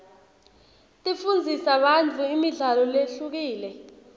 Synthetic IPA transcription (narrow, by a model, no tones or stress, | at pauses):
tʼifund͡zʱisaɓant͡fʰuimiɮalɔleɬuk̬iːlɛ